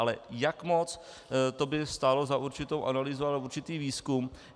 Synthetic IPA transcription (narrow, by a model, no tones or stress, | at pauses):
alɛ̰jakmo̞t͡s | t̪o̞bɪst̪aːlo̞zaʔuɾt͡ʃɪt̪owʔanaliːzoalauɾt͡ʃɪt̪iːviːskum